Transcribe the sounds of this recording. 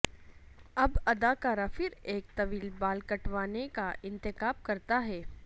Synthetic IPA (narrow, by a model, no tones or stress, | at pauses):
ɐbɐd̪aːkaːɾafɪɾeːk̚t̪ɐʋiːlbaːlkɐʈʋaːnekaʔɪ̃nt̪ɪkaːb̚kɐɾt̪aɦɛː